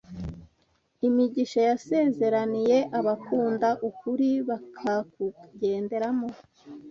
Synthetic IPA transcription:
imiɟiʃajase̞ːze̞ɾanije̞ʔaβakuːndaʔukuɾiβakʰakuɟe̞ːnde̞ɾamo

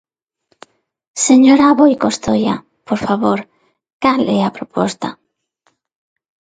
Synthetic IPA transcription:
seɲoɾaβojkost̪oja̰ | poɾfaβoɾ | kalɛapɾopɔst̪a

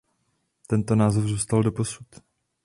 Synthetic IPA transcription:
t̪ɛnt̪o̞naːzofzuːst̪aldo̞po̞su̥t̪

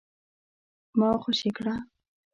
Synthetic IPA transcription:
mɑxoʃikɽa

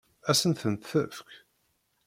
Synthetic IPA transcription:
æsənθənt̪θəfk

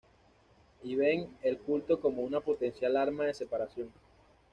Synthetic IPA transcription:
iβe̞ŋe̞lkult̪o̞ko̞mo̞unapo̞t̪e̞nsjalaɾmaðe̞se̞paɾasjo̞ŋ

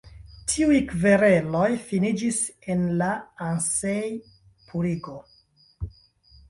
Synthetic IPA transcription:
tʰiujkve̞ɾe̞lo̞jfinid͡ʒise̞nlaansej | pʰuɾiɡo̞

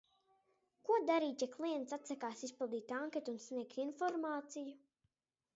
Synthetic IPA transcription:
kuɔd̪aɾiːc̪ʲɛklˠijɛnt̪sat̪sakaːsispilˠd̪iːt̪aŋket̪unsnʲiɛkt̪infɔɾmaːt̪siju

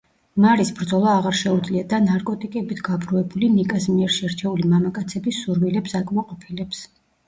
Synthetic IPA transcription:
maɾisbɾd̪zɔlˠaːʁaɾʃɛud̪zliad̪anaɾkʼɔt̪ʼikʼɛbit̪ʰɡ̥abɾuɛbulinikʼasmiɛɾʃɛɾt͡ʃʰɛulimamakʼat̪sʰɛbisːuɾwilɛpsakʼmɔqʼɔpʰilɛps

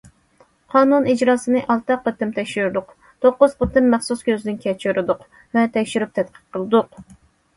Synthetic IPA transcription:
qʰɑːnunid͡ʒɾɑːsɨnɨʔɑlˠt̪ɑqːət̪ɪmt̪ʰɛkʲʃyɾd̪ʊq | t̪ʰoqːʊz̥qʰət̪ɨnmɛχsuskʲʰøzɪd̪ɪnkʲʰɛt͡ʃʰyɾɨd̪ʊq | vɛt̪ʰɛkʲʃyɾyp̚t̪ʰɛt̪qʰə̥p̚qʰəlˠɨd̪ʊq

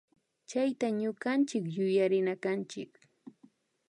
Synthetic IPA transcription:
t͡ʃajt̪aɲʊɢant͡ʃɪkjʊjaɾɪnakant͡ʃɪ̰k

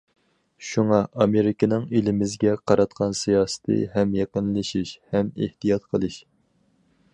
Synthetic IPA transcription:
ʃuŋɑʔɑmeɾɪkʲɪnɪŋelɪmɪzɡʲɛqʰɑɾɑt̪qʰɑnsijɑːsə̥t̪ʰɨ̰ɦɛmjeqənlˠɨʃiʃhɛmḛht̪ijɑt̪qʰəlˠɨʃ

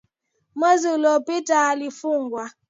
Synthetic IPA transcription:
mazʊlɔpitalifuŋ̩ɡʷa

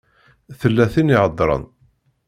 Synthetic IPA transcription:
θəlːæθiniʕəd̪ˤɾˤə̰n

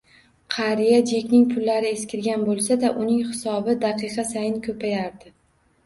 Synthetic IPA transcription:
qʰɑɾijad͡ʒe̞kʲnɪŋpʰʊlːaɾɪe̞skʲʰɪɾɡʲanbolˠsad̪aʔʊnɪŋhɪsɒbɪd̪ɑqʰɨqʰɑsajɪnkʰʲɵpʰajaɾd̪ɪ

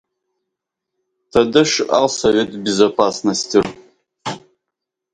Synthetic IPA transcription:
tʰadɨʂa̰lsove̞tʰʼbʲezapʰasnɐstʰir

